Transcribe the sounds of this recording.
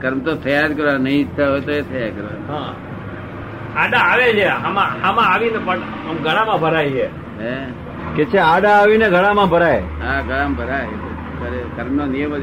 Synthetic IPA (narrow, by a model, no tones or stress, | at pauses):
kəɾmt̪ot̪ʰəjad̪kəɾʋanəĩt̪ʰaɦojt̪oet̪ʰəjad̪kəɾʋa̰ɦã | aɖaːʋed͡ʒeɦamãhamãaʋinepəɳ | əmɡʱəɽamãbʱəɾaie | e | ket͡ʃʰeaɖaːʋineɡʱəɽãmãbʱəɾaeɦãɡʱəɭamabʱəɾaet̪o | kəɾekəɾmnonijəmo